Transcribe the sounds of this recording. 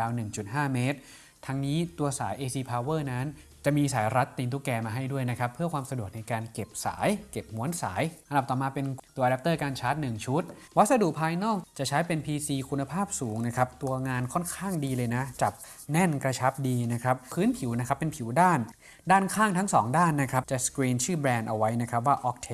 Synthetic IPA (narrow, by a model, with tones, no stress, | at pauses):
aː˧wnɯ˨˩ŋt͡ɕu˨˩t̪̚ɦaː˥˩meː˦˥t̪̚ʰː | a˧ŋniː˦˥t̪u˧ɐsaː˩˦jʔeː˧siː˧pʰaː˧wɤː˥˩na˦˥n | t͡ɕa˨˩miː˧saː˩˦jɾa˦˥t̪ːiː˧nt̪uː˦˥˩kɛː˧maː˧ɦa˥˩jdu˥˩əjna˦˥kʰɾa˦˥pʰːɯ˥˩əkʰwaː˧msa˧du˨˩ək̚na˧jkaː˧nke˨˩p̚sa̰ː˩˦jke˨˩p̚mu˩˦ənsa̰ː˩˦jʔʔa˧nd̚t̪ɔː˨˩maː˧pe˧nt̪u˧ɐʔda˦p̚t̪ɤː˥˩kaː˧nt͡ɕʰaː˦˥t̪̚nɯ˨˩ŋt͡ɕʰu˦˥t̪̚wa˦˥t̪̚sa˧du˨˩pʰːaː˧jnɔː˥˩k̚t͡ɕa˨˩t͡ɕʰa˦˥jpe˧npʰiː˧siː˧kʰu˧nːa˧pʰaː˥˩p̚suː˩˦ŋna˦˥kʰa˦˥p̚t̪u˧ɐŋaː˧nkʰɔ˥˩nkʰaː˥˩ŋdiː˧lɤː˧jna˦˥t͡ɕa˨˩p̚ | nɛ˥˩nkɾa˧t͡ɕʰa˦˥p̚diː˧na˦˥kʰɾa˦˥pʰɯː˦˥npʰi˨˩˦wna˦˥kʰa˦˥pːe˧npʰi˩˦wdaː˥˩n | daː˥˩nkʰaː˥˩ŋt̪ʰa˦˥ŋsɔː˩˦ŋdaː˥˩nːa˦˥kʰɾa˦˥p̚t͡ɕa˨˩skɾiː˧nt͡ɕʰɯː˥˩bɾɛː˧nʔa˧wa˦˥jna˦˥kʰa˦˥p̬̚waː˥˩ʔɔ˦˥k̚t̪ʰe˦